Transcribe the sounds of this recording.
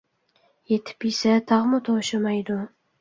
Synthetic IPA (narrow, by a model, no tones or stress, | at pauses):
jet̪ʰɪ̥pisat̪ʰɑʁmʊt̪ʰoʃɪmajd̪ʊ